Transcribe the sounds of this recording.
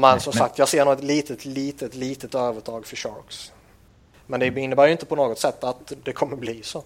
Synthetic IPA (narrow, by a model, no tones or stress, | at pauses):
mɛnsɔmsak̚t̪jɑːseːɳuːɛt̪liːt̪ət̪liːt̪ət̪liːt̪ət̪øːvəʈʰɑːɡfœɕɑ̰ɾks | mɛnd̪ɛɪnːəbæːɾjʏɪnt̪əpʰɔnoːɡɔt̪sɛt̪ːat̪d̪ɛkʰɔmːəbliːso